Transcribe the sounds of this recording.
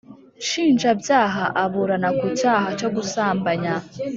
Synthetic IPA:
ʃiːnd͡ʒabjaːɦaʔaβuɾanakucaːɦat͡ʃo̞ɡusaːmbaɲa

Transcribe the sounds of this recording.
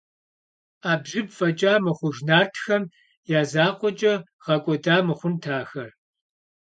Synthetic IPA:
aːbʑɪbfɐt͡ʃʼaːmɨχʷʊʒnaːrtʰxɐm | jaːzaːqʷɔt͡ʃʼɐ | ʁɐkʷʼɔdaːmɨχʷʊntʰaːxɐr

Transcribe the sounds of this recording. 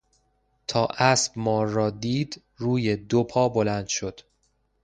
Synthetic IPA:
t̪ʰɒːʔæsbmɒːɾːɒːd̪iːd̪ | ruːjed̪opʰɒːbo̞lænd̪̥ʃo̞d̪̥

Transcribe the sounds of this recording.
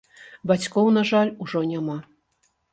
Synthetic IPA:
bat͡sʲkɔwnaʐalʲuʐɔnʲama

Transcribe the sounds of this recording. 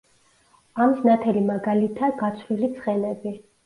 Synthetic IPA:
amisnat̪ʰɛlimaɡalit̪ʰaɡat̪sʰlilit̪sʰχɛnɛbi

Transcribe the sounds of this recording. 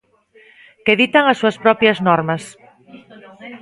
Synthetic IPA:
keðit̪aŋɐsuɐspɾɔpjɐznɔɾmɐs

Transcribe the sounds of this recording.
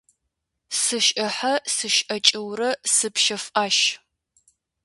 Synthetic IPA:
sɨʃʼɐħɐsɨʃɐt͡ʃʼɪwrɐsɨpʃɐfʔaːʃ

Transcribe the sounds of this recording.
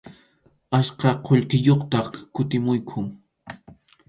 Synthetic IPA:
aʃqɑqʰoʎkɪjoχt̪ɑχkʊt̪ɪmʊjkʰʊŋ

